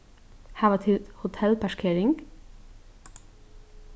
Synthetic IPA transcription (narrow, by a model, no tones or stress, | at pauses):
hæːʋɑt̪ʰɪlt̪hʊt̪ʰɛlpʰæʃkʰeːɾɪŋɡ